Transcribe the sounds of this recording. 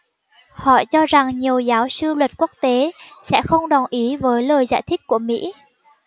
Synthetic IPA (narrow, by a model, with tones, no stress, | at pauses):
hɔ̰˧˨t͡ɕɔ˧za˨˩ŋɲi˨˩əwzaː˨˦wsɨ˧lwə˨˩t̚ku˦˥ək̚t̪e˨˦sɛ̰˧˥xə˧wŋ͡mɗɔ˨˩nʔi˨˦vəː˨˦jləː˨˩jza̰ː˧˩jt̪ʰï˦˥k̚ku˧˩əmḭ˧˥